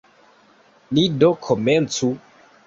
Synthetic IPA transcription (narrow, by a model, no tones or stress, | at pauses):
lidokʰoment͡su